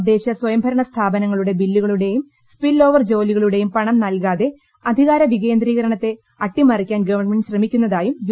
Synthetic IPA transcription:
d̪ːe̞ːɕɐswɐjɐmbʱɐɾɐɳɐst̪ʰaːbɐnɐŋːɐɭuɽe̞bilːuɣɐɭuɽe̞jum | spilːo̞ːʋɐrd͡ʑo̞ːliɣɐɭuɽe̞jumpɐɳɐmnɐlkaːðe̞ | ɐd̪ʱiɣaːɾɐʋiɣe̞ːnd̪riːɣɐɾɐɳɐt̪ːe̞ | ɐʈːimɐrikʲːaːnɡɐʋɐrnmeɳɖɕrɐmikʲːunːɐðaːjum

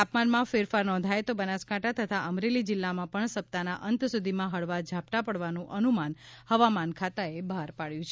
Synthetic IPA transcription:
apmanmãfeɾfaɾnɔ̃nd̪ʱajt̪obənaskaʈʰat̪ʰət̪ʰaʔəmɾelid͡ʒɪlːamãpəɳsəp̚t̪anaʔənt̪sud̪ʱimãɦəɭʋad͡ʒʱap̚t̪apəɽʋanũʔənumanhəʋamankʰat̪aebʱaɾpaɭjũt͡ʃʰe

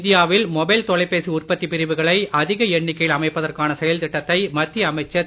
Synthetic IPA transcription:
d̪ɪjaːʋɪlmɔbɐɪlt̪ɔɭɐɪpːeːsɯʊrpɐt̪ːipɪɾɪʋɯɣɐɭɐɪʔɐðɪɣɐɛɳːɪkːɐjɪlɐmɐɪpːɐðɐrkaːnɐsɛjɐlt̪ɪʈːɐt̪ːɐɪmɐt̪ːiɐmɐɪt͡ʃːɐ

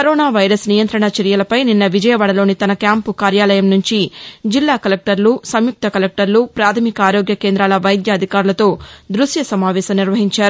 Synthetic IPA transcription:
kɐɾoːnaːʋɐjɾɐsnijɐnt̪ɾɐɳɐt͡ʃɐɾijɐlɐpɐjninːɐʋid͡ʒɐjɐʋaːɽɐlo̞ːnit̪ɐnɐkjaːmpukaːɾjaːlɐjɐmnuɲt͡ʃid͡ʒilːaːkɐlek̚ʈɐɾlusɐmjuk̚t̪ʰɐkɐlek̚ʈɐɾlupɾaːt̪ʰɐmikɐaːɾoːɡjɐke̞ːnd̪ɾaːlɐʋɐjd̪jɐːd̪ʱikaːɾulɐt̪o̞ːd̪ɾusjɐsɐmaːʋɛːsɐmniɾʋɐɦiɲt͡ʃaːɾu

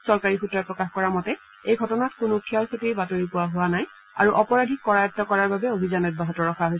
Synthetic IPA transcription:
sɔɹkaɹixutɹɔjpɹɔkaxkɔɹamɔtɛ | ejɡʱɔtɔnatkʊnukʰijaɹsʰotejbatoɹipʊwaɦʊwanaj | a̰ɹuʔɔpɔɹadʱikːɔɹajɔtːɔkɔɹaɹbabɛobʱizanɔt̚baɦɔtɔɹɔxʰaɦojs

